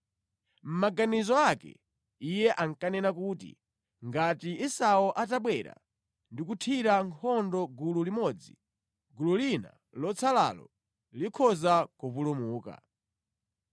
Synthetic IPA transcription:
m̩maɡanizɔakɛ̰ | ijɛʔaŋkanɛnakuːtḭ | ŋɡatiisaɔʔataɓwɛɾa̰ | ndikutʰiɾaŋkʰɔndɔɡululimɔd͡zḭ | ɡululina̰ | lɔt͡sʰala̰lɔ̰ | likʰɔzakuvulumuːka̰

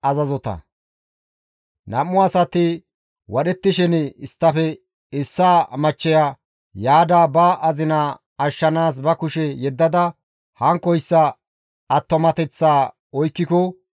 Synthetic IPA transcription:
ɐzɐzɔt̪ɐ̰ | nɐmːʊɐsɐt̪ɪ | wɐɗɛt̪ːɪʃɛnɪst̪ːɐfɛ | ɪsːaːmɐt͡ʃːɛja | jaːd̪aːbaʔɐzɪnaː | ɐʃːɐnaːs̬bɐkʊʃɛjɛd̪ːɐd̪ɐ | hɐŋkːɔjsːɐ | ɐt̪ːɔmɐt̪ɛt͡sːaː | ɔjkːɪkɔ

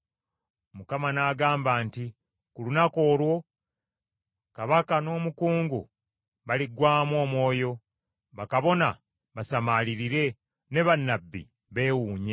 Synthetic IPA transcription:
mukamanaːɡaːmbaːnti | kulunako̞ːlwo̞ | kaβakano̞ːmukuːŋɡṵ | βaliɡwaːmwo̞ːmwo̞ːjo̞ | βakaβo̞na | βasamaliɾiɾe̞ | ne̞βanːabːḭ | βe̞ːwuːɲe̞

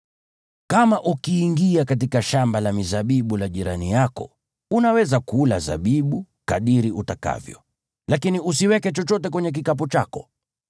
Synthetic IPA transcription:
kamaʔukiːŋɡiakatikaʃambalamizaɓiɓulaʄiɾanijakɔ̰ | unawɛzakula̰za̰ɓiɓu | kaɗiɾiʔutaka̰vjɔ̰ | lakinius̬iwɛkɛt͡ʃɔt͡ʃɔtɛk̬wɛɲɛk̬ikap̬ɔt͡ʃakɔ

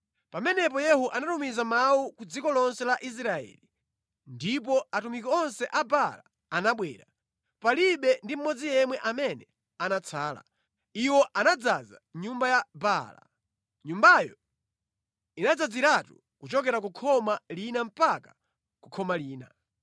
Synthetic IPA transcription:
pamɛnɛp̬ɔjɛhuʔanatumizamawukud͡zikɔlɔnsɛlaʔis̬ɾaɛ̰li | ndip̬ɔatumikiɔnsɛʔabala̰ː | naɓwɛːɾa | paliɓɛndim̩mɔd͡zijɛmwɛʔamɛnɛ | anat͡sʰaːla̰ | iwɔʔanad͡zaza̰ɲumbajabala̰ | ɲumbajɔ̰ | inad͡zad͡ziɾatṵ | kut͡ʃɔk̬ɛɾak̬ukʰɔmalinam̩paka | kukʰɔmaliːna

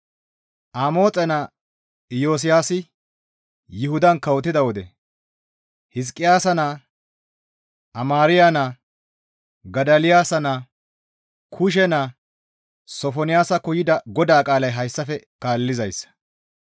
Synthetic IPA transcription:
ʔamo̞ːt͡sʼɛna | ɪjo̞ːs̬ɪjaːsɪ | jɪhʊd̪ɐnkɐwɔt̪̬ːɪd̪ɐwɔd̪ɛ | hɪs̬kʼːɪjaːsɐna | ʔɐmaːɾɪjana | ɡɐd̪ɐlɪjaːsɐna | kʰʊʃ̬ɛna | sɔfɔnɪjaːsɐkʊjɪd̪ɐɡɔd̪aːkʼaːlɐjɦɐjsːɐfɛkaːlːɪzɐjsːɐ̥

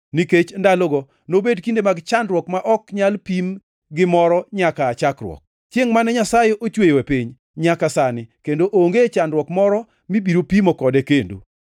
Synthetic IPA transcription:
niket͡ʃndaloɡɔ | nobedkindemaɡt͡ʃandɾwɔkmaʔɔkɲalpim | ɡɪmɔɾɔɲakaːt͡ʃakɾwɔ̰k̚ | t͡ʃeŋmanɛɲasajeʔot͡ʃwejwɛpiɲ | ɲakasanɪkendoʔoŋɡet͡ʃandɾwɔkmɔɾɔ | mibiɾopimokɔdɛkendo̰

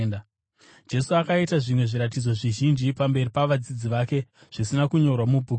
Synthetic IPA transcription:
n | d͡ʒe̞suakaitaʐimwe̞ʐiɾat̬id͡zo̞ʐiʒind͡ʒipambe̞ripaʋad͡zid͡ziʋaːke̞ | ʐ̥isinakuɲo̞rwamubʱu

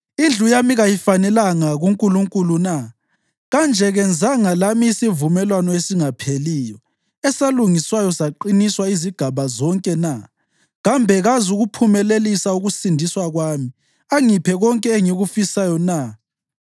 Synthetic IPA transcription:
ind͡ɮʱujamiɣajifanɛlaŋaɣuŋkʼuluŋkʼuluna | ɣand͡ʒʱɛɣɛnd͡zʱaŋalamiːsivumɛlwanɔesiŋapʰeliːjɔ | ɛsaluŋiswajɔsaǃiniswaiziɡ̥ʱaβazɔŋkʼɛna | ɣambʱɛɣazuɣupʰumɛlelisauɣusindʱiswaɣwami | aŋipʰɛɣɔŋkʼɛeŋiɣufisajɔna

